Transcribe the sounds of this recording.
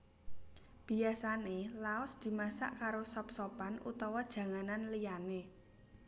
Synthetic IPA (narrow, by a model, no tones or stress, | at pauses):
b̥i̤asanelaɔsd̪̥i̤masa̰ʔkaɾosɔpsɔpanʔut̪ɔwɔd̥ʒ̥ä̤ŋananlijane